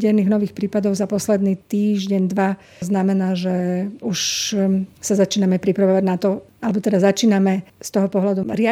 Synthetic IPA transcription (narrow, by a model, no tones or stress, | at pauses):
ɟɛniːɣnɔʋiːxpɾiːpad̪ɔʊzapɔslɛd̪niːt̪iːʒɟɛɲd̪ʋa | znamɛnaːʒɛuʃ | sazat͡ʃiːnamɛpɾipɾaʋɔʋaɟnat̪ɔʔalɛbɔt̪ɛd̪azat͡ʃiːnamɛst̪ɔɦɔpɔɦlad̪uɾɪa